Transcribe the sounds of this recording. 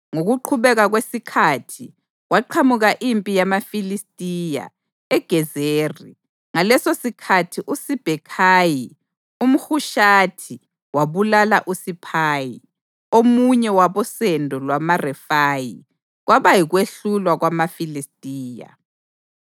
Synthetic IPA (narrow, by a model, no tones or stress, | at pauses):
ŋoɣuǃʰuβɛɣaɣwesikʰatʰi | ɣwaǃʰamuɣaʔimpʼijamafilistʼija̰ | ɛɡ̥ʱɛzeːri | ŋalɛsosikʰatʰiʔusib̥ʱɛkʰaji | um̩xuʃatʰi | waβulalaʔusipʰaːji | omuɲɛwaβɔsɛndʱɔlwamarɛfaji | ɣwaβajiɣweɬulwaɣwamafilistʼiːja̰